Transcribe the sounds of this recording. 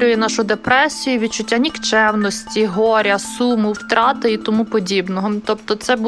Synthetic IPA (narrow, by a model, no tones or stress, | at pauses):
ɾʲʊjinɑʃʊd̪epɾɛsʲijʊʋʲid̪̚t͡ʃʊtʲːanʲikt͡ʃɛwnɔsʲtʲiɦɔɾʲɐsumʊwt̪ɾɑt̪ɪit̪ɔmupɔdʲibnɔɦɔt̪ɔp̚t̪ɔt̪sɛb